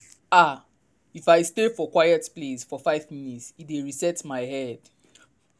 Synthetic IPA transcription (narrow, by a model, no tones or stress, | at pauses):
a | ifajstefɔkwajɛtplesfɔfaɪvminitsiteɹisɛtmajhɛd̥